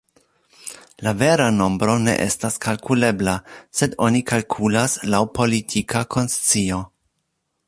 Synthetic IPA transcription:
lave̞ɾano̞mbɾo̞ne̞̰ʔe̞̰staskalkʰule̞blase̞do̞nikalkʰulaslawpʰo̞litʰikʰakʰo̞nst͡sio̞

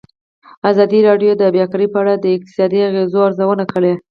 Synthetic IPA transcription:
azɑd̪iɾɑɖjod̪əbjɑkaɾipəaɽad̪əɪk̚t̪ɪ̥sɑd̪iaɣezoaɾzawənakəɽe

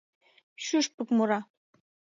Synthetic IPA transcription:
ɕyʃpə̆kmoɾɑ

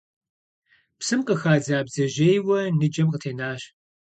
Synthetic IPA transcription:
psɨmqəxaːd͡zaːbzɐʒejwɐnɨd͡ʒɐmqətʰeːnaːɕ

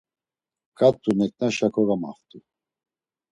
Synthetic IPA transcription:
kʼat̪ʼːunɛkʼnaʃakʰʼɔɣama̰ft̪ʼu

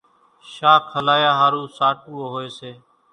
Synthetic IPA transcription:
ʃaːkʰhəlaːjaːɦaːɾuːsaːʈ̚uːoːɦoːeːseː

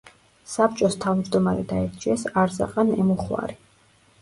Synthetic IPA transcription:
sap̚ʰt͡ʃʼɔst̪ʰavmd͡ʒd̪ɔmaɾɛd̪aɛɾt͡ʃʰʼiɛsaɾza̰qʼanɛmuχwa̰ɾi

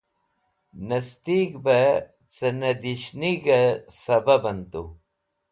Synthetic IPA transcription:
nɐst̪ikbɐ | t͡sənɐd̪iʃniɡɐsɐbɐbɐnt̪u

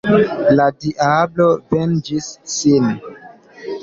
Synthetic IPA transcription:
ladiʔablovend͡ʒisːin

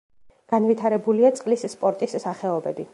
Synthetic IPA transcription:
ɡ̥anvit̪ʰaɾɛbuliat̪sʼqʼlisːpʼɔɾt̪ʼisːaχɛɔbɛbi

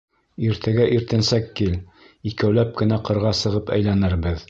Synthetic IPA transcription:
iɾt̪ʰæɡæʔiɾt̪ɘ̆nsækːil | ikæwlæp̚kɘ̆næqɤ̆ɾʁɑsɤ̆ʁɤpæ̰jlænɘɾbɘð

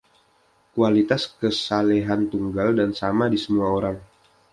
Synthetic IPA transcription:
kualit̪askəsaleɦant̪uŋɡaldansamadisəmuaoɾaŋ

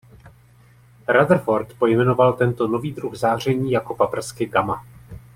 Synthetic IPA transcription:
ɾadr̩fo̞ɾt̪po̞jmɛno̞valt̪ɛnt̪o̞no̞viːd̪ɾuxzaːr̝ɛɲiːjako̞papr̩skɪɡama

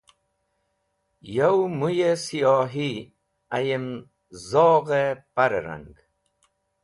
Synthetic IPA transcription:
jawmujesijɑːɦi | ajem | zɔːɣepaɾeɾa̰ŋɡ

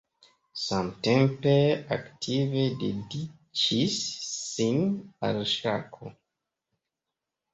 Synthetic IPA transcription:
samtempea̰ktʰivededi | t͡ʃisːina̰lʃakʰo

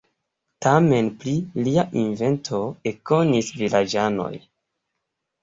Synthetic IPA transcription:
tame̞npliliaʔinve̞ntʰo̞eko̞nisvilʔad͡ʒano̞̰j

